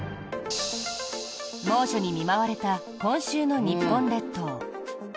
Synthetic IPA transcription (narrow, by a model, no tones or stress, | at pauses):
mo̞ːɕo̞ɲ̟imʲimaβaɾe̞t̪a | kõ̞ɰ̃ɕɨːno̞ɲ̟ipːõ̞nɾe̞t̪ːoː